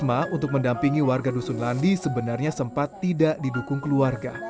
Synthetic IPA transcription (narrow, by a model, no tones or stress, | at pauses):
maunt̪ʊk̚məndampiŋiwarɡadusunlandisəbənarɲasəmpat̪ːidaʔdidukʊŋkəluarɡa